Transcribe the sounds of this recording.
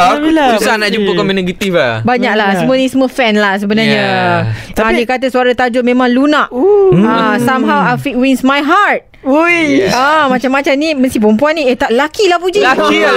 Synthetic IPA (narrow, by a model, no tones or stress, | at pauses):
susanaʔd͡ʒumpəkɔminẽɡət̪ifabaɲak̚lasəmuənisəməfɛnlahs̬əbənarɲa | anikat̪əsuaɾat̪ad͡ʒʊt̚mẽmãŋlunaʔasamɦawafit̚winsmajɦart̪̚ | uamãt͡ʃamːãt͡ʃamniməst̪ip̬əmpuanːĩet̪aʔlakilahpud͡ʒiaki